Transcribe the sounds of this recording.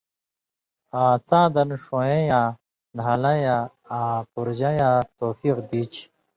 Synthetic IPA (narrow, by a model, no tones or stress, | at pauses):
aːt͡sãːd̪ɐnʂõjejãː | nɦalɐja | aːpuɾd͡ʑajat̪oːfiqd̪it͡ɕʰ